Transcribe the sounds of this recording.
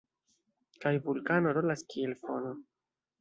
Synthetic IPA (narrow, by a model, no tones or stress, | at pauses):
kajvulkano̞ɾo̞laskielfo̞no